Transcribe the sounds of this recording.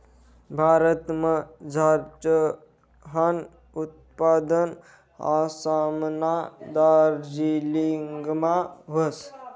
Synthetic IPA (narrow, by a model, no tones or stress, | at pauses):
bʱaːɾət̪məd͡zʱaɾt͡ʃə | ɦan | ut̪̚ | pad̪ən | a̰samnad̪aɾd͡ʒiliŋɡmãɦos